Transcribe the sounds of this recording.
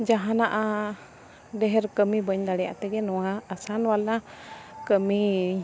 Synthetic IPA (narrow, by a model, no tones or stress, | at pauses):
d͡ʒaɦanaʔa | ɖɛɦɛɾkəmibəɲd̪aɽɛja̰ʔt̪ɛɡɛnɔwaːsanwalakəmi